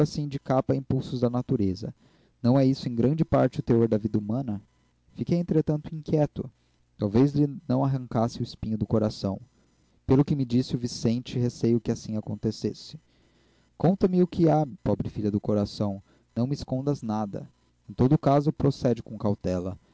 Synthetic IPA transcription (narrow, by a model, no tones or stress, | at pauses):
asĩd͡ʒɪkapɐĩpuwsʊzd̪ɐnat̪uɾezɐ̰ | nɐ̃w̃ɛisʊẽj̃ɡɾɐ̃nd͡ʒɪpaɾt͡ʃɪʊt̪eoɾd̪ɐvid̪ɐumɐ̃nɐ | fikejẽnt̪ɾet̪ɐ̃nt̪ʊĩŋkjɛt̪ʊ | t̪awvezlɪnɐ̃w̃aɦɐ̃ŋkasɪʊɪspĩɲʊd̪ʊkoɾasɐ̰̃w̃ | pelʊkɪmɪd͡ʒisɪʊvisẽnt͡ʃɪɦesejʊkɪasĩakõnt̪esḛsɪ̥ | kõnt̪ɐmɪʊkʰɪapɔbɾɪfiʎɐd̪ʊkoɾasɐ̃w̃ | nɐ̃w̃mɪɪskõnd̪ɐznad̪ɐ̰ | ẽt̪od̪ʊkazʊpɾosɛd͡ʒɪkõkawt̪ɛlɐ̰